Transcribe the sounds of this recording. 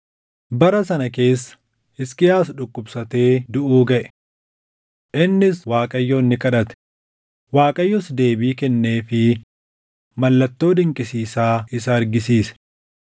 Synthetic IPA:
bɐɾɐsɐnɐke̞ːsːɐ̥ | ɪskɪjaːsᶑʊkʼːʊbsɐt̪e̞ːd̪ʊʔuːɡɐʔɛ̥ | ʔɪnːɪswaːkʼɐjːoːnːɪkʼɐᶑɐt̪ɛ̥ | waːkʼɐjːɔsd̪e̞ːbiːkɛnːeːfɪ | mɐlːɐt̪ːo̞ːd̪ɪŋkʼɪsiːsaːɪsɐːɾɡɪsiːsɛ̥

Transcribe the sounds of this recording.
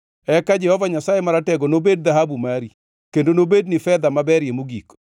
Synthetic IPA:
ɛkad͡ʒɛhɔvaɲasajemaɾatɛɡonobed̚ðaɦabumaɾi | kendonobednɪfɛd̪amabɛɾjemuɡik

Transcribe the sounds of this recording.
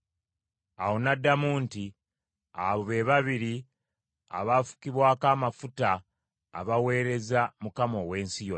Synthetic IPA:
awonadːamuːnti | a̰βoβe̞βaβiɾi | a̰βafu̥kiβwaːkamafuta̰ː | βawe̞ːɾe̞zamukamo̞we̞ːnsijo

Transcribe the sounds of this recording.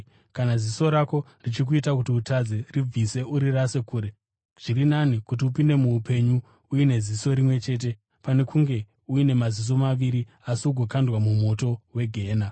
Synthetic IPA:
kanaziso̞ɾako̞ | rit͡ʃik̬uitak̬utiutad͡zerib͡vise̞ʔuɾirase̞kuːɾe̞ | ʐ̥irinanikutiupinde̞muːpʰe̞ɲu | uine̞ziso̞ɾimwe̞t͡ʃe̞ːt̬e̞ | pane̞kʰuŋɡe̞ | uine̞mazis̬o̞maʋiɾi | asiuɡʱo̞kandwamumo̞to̞we̞ɡʱe̞ːna

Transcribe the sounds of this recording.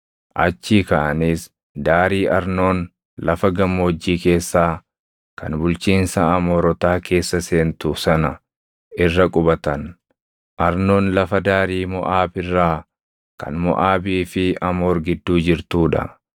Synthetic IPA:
ʔɐt͡ʃːiːkɐʔɐniːs | d̪aːɾiːʔɐɾno̞ːn | lɐfɐɡɐmːoːd͡ʒːiːke̞ːsːaː | kɐ̰nbʊlt͡ʃiːnsɐɐmoːɾɔt̪aːke̞ːsːɐse̞ːnt̪ʊsɐnɐ | ɪrːɐkʼʊbɐt̪ɐn | ʔɐɾno̞ːnlɐfɐd̪aːɾiːmɔ̰ʔaːbɪrːaː | kɐ̰nmɔ̰ʔaːbiːfɪɐmoːɾɡɪd̪ːuːd͡ʒɪɾt̪uːᶑɐ̰

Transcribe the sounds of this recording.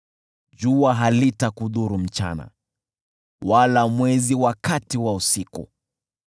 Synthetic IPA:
d͡ʒuaɦalitakuðuɾum̩t͡ʃa̰na̰ | walamwɛziwakatiwausikṵ

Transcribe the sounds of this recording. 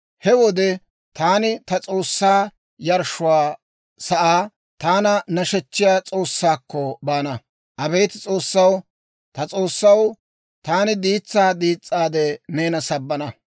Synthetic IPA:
hɛwɔd̪ɛ | t̪aːnɪt̪ɐt͡sʼo̞ːsːaː | jɐɾʃʊwaː | sɐʔaː | t̪aːnɐnɐʃɛt͡ʃːɪjaːt͡sʼo̞ːsːaːkːɔbaːnɐ | ʔɐbeːt̪t͡sʼoːsːɐw | t̪ɐt͡sʼo̞ːsːɐw | t̪aːnɪd̪iːt͡sːaːd̪iːt͡sʼːaːd̪ɛneːnɐsɐbːɐnɐ

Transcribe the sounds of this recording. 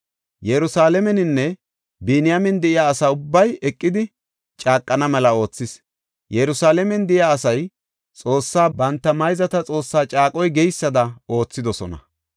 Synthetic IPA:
jɛɾʊsaːlɛmɛnɪnːɛ | biːnɪjamɛnd̪ɛʔɪjaːɐsaːʊbːɐjɛkʼːɪd̪ɪ | t͡ʃʼaːkʼːɐnɐmɛlɐo̞ːt͡sːɪs | jɛɾʊsaːlɛmɛnd̪ɛɪjaːsɐj | t͡sʼo̞ːsːaːbɐnt̪ːɐmɐjzɐt̪ɐt͡sʼo̞ːsːaːt͡ʃʼaːkʼɔjɡɛjsːɐd̪ɐo̞ːt͡sːɪd̪ɔsɔnɐ̰

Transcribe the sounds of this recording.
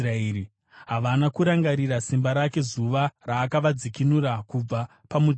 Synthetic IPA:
raeːɾi | ɦaʋanakuɾaŋɡaɾirasimbaɾake̞zuʋaraːkaʋad͡zikinuɾakub͡va | pamu

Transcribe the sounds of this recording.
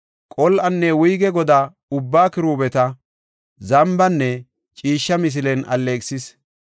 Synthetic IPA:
kʼɔlʔɐnːɛwʊjɡɛɡɔd̪a | ʊbːaːkɪɾuːbɛt̪ɐ | zɐmbɐnːɛ | t͡ʃʼiːʃːɐmɪs̬ɪlɛnɐlːeːkʼsɪs

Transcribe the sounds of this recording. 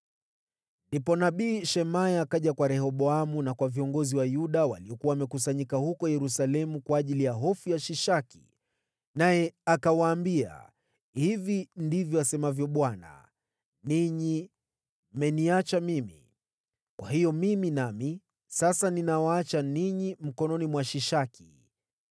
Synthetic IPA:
ndipɔnaɓiːʃɛmajakaʄakwaɾɛhɔɓɔamunakwaviɔŋɡɔziwajuɗawa̰liɔkuwaːmɛkusaɲikahukɔjɛɾusalɛmukwaːʄilijaɦɔfujaʃiʃaki̥̰ | najɛakawaːmbia̰ | hivindivjɔasɛmavjɔɓwana̰ | niɲi | mɛniat͡ʃamimḭ | kwa̰ɦijɔmiminami | sasaninawaat͡ʃaniɲim̩kɔnɔnimwaʃiʃaki̥

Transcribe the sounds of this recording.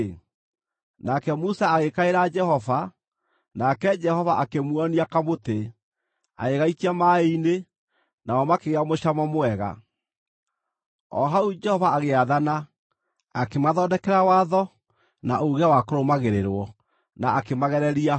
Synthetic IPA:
nakɛmusaːɣekaeɾad͡ʒɛhɔva | nakɛd͡ʒɛhɔvaʔakemwɔniakamote | a̰eɣaitiamaeine | naɔmakeɣeamoʃamamoɛɣa̰ | ɔ̰ɦaud͡ʒɛhɔvaːɣeaðana | akemaðɔːdɛkɛɾawaːðɔ | na̰ʔoɣawakoɾomaɣeɾeɾwɔ | naːkemaɣɛɾɛɾia

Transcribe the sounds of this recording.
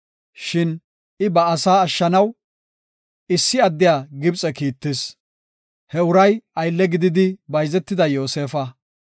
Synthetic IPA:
ʃɪn | ɪbɐːsaːɐʃːɐnɐw | ɪsːɪɐd̪ːɪjaːɡɪbt͡sʼɛkiːt̪ːɪs | hɛʊɾɐjɐjlːɛɡɪd̪ɪd̪ɪbɐjzɛt̪ːɪd̪ɐjo̞ːse̞ːfɐ

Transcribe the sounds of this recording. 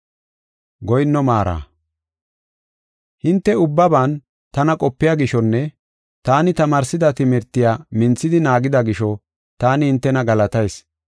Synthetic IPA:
ɡɔjnːɔmaːɾa̰ː | hɪnt̪ːɛʊbːɐbaːn | t̪ɐnɐkʼɔpːɪjaɡɪʃɔnːɛ | t̪aːnɪt̪ɐmaːɾsɪd̪ɐt̪ɪmɛɾt̪ːɪjaːmɪnt͡sːɪd̪ɪnaːɡɪd̪ɐɡɪʃɔ | t̪aːnɪhɪnt̪ːɛnɐɡɐlɐt̪ɐjs

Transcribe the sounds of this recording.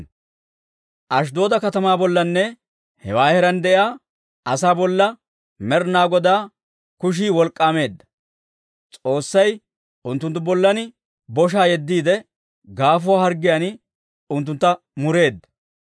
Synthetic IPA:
ʔɐʃ̬d̪o̞ːd̪ɐkɐt̪ɐmaːbɔlːɐnːɛ | hɛ̰waːhɛɾɐnd̪ɛʔɪaː | ʔɐsaːbɔlːɐ | mɛɾnaːɡɔd̪aː | kʊʃ̬iːwɔlkʼːaːme̞ːd̪ːɐ̥ | t͡sʼo̞ːsːɐj | ʊnt̪ːʊnt̪ːʊbɔlːɐnɪ | bɔʃ̬aːjɛd̪ːiːd̪ɛ | ɡaːfʊwaːhɐɾɡɪjanɪ | ʊnt̪ːʊnt̪ːɐ | mʊɾe̞ːd̪ːɐ̥

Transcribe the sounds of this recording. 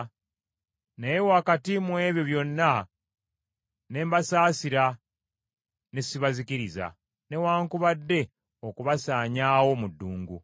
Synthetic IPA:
nejewaːkatimwe̞ːβjo̞βjo̞nːa | ne̞ːmbasaːsiɾa | nesiβazikiɾiza̰ | ne̞waːŋkuβadːe̞ | o̞kuβasaːɲaːwo̞mudːuːŋɡu

